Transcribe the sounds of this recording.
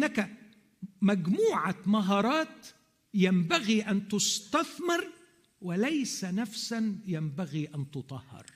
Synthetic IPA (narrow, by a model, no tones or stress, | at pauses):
ʔɪnːaka | maɡmuːʕamaɦɑːɾˤɑːt̪ | jambaɣiʔant̪ʊst̪aθmɪɾˤ | wɪlajsanafsanjambaɣiːʔant̪ʊt̪ˤɑhːɑ̰ɾˤ